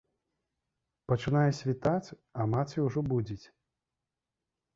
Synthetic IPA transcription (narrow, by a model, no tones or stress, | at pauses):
pɐt͡ʂɨnajɛsʲvʲit̪at͡sʲ | ɐmat͡s̪ʲiuʐɔbud͡zʲit͡sʲ